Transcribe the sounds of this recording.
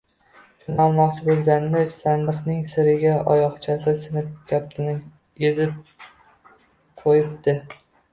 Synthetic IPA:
sʰʊnɒlˠmɒqt͡ʃʰɪbolˠɡʲanːɪksand̪ɨqnɪŋsɪɾɪɡʲaʔɒjɒχt͡ʃʰasɪsɪnɪp̚ɡʲʰap̚t̪ʰɪnɪ | ezɪp̚ | qʰojɪpt̪ɪ

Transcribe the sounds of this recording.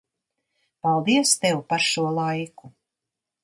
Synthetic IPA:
palˠd̪iɛst̪ɛwpaɾʃuɔlˠajku

